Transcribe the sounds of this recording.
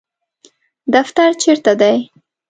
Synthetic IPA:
d̪aft̪aɾt͡ʃeɾt̪ad̪aj

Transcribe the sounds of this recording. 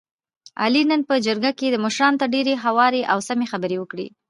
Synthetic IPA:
a̰linənpəd͡ʒəɾɡaked̪əməʃɾɑnot̪əɖeɾeɦawɑɾeʔawsamexabəɾewəkɽḭ

